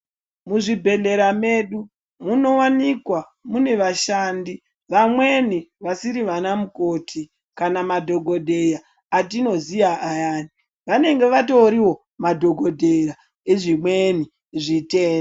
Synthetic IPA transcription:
muʐibʱe̞ɮe̞ɾame̞ɗu | muno̞wanikwa | mune̞ʋaʃaːndi | ʋamwe̞niʋasiɾiʋanamuko̞ːtʰi | kanamadʱo̞ɡʱo̞dʱe̞jaː | t̬ino̞zijaʔajaːni | ʋane̞ŋɡe̞ʋato̞ɾiwo̞ | madʱo̞ɡʱo̞dʱe̞ɾa | eʐimweni | ʐiteːno

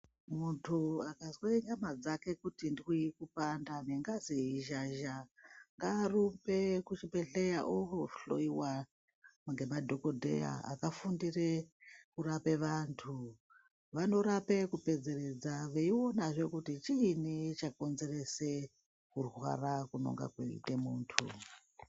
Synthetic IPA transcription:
muntʰuakazweeɲamad͡zake̞kutindikuikupandaneŋɡaziiʒaʒaŋɡaːrumbe̞kut͡ʃipeɬejaʔokoɬo̰iwa | ŋɡe̞madʱo̞ko̞dʱḛja̰a̰kafundirekurapeʋantʰu | ʋano̞ɾape̞kupe̞d͡ze̞re̞d͡zaʋeio̞naʐe̞kutit͡ʃiːnit͡ʃako̞nze̞re̞se̞ | kurwa̰rakuno̞̰ŋɡa̰kwḛḭtemuːntʰu

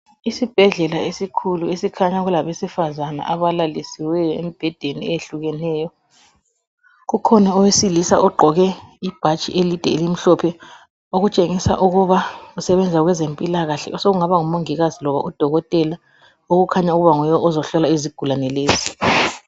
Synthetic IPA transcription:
isib̥ʱɛɮɛlaesikʰuluesikʰaɲaɣulaβesifazana̰ʔaβalalisiwɛjɔḛmib̥ʱɛd̥ʱeniɛjeɬuɣɛnɛːjɔ | ɣukʰɔnaɔwesilisa̰ʔɔɡ͡ǃʱɔɣɛib̥ʱat͡ʃʼḭʔelid̥ʱɛ̰elim̩ɬɔpʰɛ | oɣut͡ʃʼeŋisa̰ʔuɣuβausɛβɛnd͡zʱaɣwɛzempʼilaɣaɬɛ̰ɔsoɣuŋaβaŋumoŋiɣazilɔβa̰ʔud̥ʱɔɣɔtʼɛla | oɣukʰaɲauɣuβaŋɔjɔɔzɔɬɔlaiziɡ̥ʱulanɛleːzi

